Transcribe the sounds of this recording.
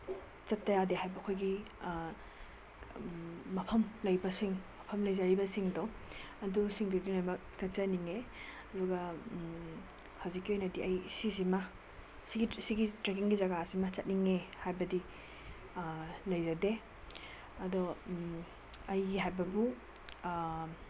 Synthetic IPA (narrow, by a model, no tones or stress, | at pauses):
t͡ʃɐtːɐjadeɦajbɐkʰojɡi | mɐpʰɐmlɐjbɐsiŋmɐpʰɐmlɐjzaɾibɐsiŋdɔ | ɐdusiŋdidinojmɐk̚tɐt͡ʃɐniŋe | ɐduɡɐ | hawzikːiojnɐdiɐjsis̬imɐ | siɡisiɡitɾek̬iŋɡizɐɡasimɐt͡ʃɐt̚niŋehajbɐdi | lɐjzade | ɐdɔ | ɐjɡiɦajbɐbu